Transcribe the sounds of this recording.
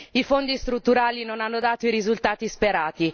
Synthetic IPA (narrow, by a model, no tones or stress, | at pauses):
ifond̪ist̪ɾut̪ːuɾaːlinonanːod̪aːt̪oiɾizult̪aːt̪ispeɾaːt̪i